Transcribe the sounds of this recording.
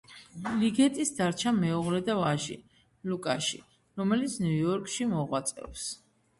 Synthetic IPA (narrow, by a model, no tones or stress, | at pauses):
liɡɛt̪ʼisd̪aɾt͡ʃʰamɛuʁlɛd̪avaʒḭ | lukʼaʃḭ | ɾɔmɛlit̪sʰnujɔɾkʼʃimɔʁwat̪sʼɛ̰ps